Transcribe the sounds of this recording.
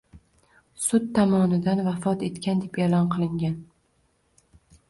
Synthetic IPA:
sʊt̪ʰːamɒnɪd̪anvafɒt̪e̞t̪kʲand̪e̞pelɒnqʰɨlˠɪŋɡʲan

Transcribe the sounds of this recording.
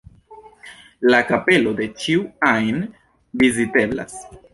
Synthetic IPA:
lakape̞lo̞de̞t͡ʃiuajn | vizite̞bla̰s

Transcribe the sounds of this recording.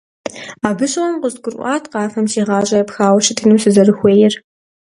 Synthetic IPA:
aːbɨɕʼwɐmqʊzɡʷʊrʔʷɑːtʰqɑːfɐmʃiːʁɑːɕʼɐjɐpxaːwɐɕɪtʰɨnusɨzɐrɨxʷeːjɪr

